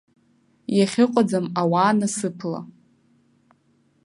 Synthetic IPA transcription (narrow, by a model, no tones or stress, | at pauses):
jaχʲɪqʷʼad͡zamawaːnasɨpʰla̰